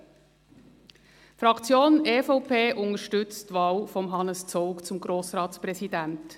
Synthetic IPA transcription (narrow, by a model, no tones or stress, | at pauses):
fɾɑkt͡sjoːneːfɔʊpʰeːʔʊnəʃtʏt͡stʋɑːlfɔmɦɑnəst͡sɔʊkt͡sʊmɡɾoːsɾɑːtspɾɛzidænt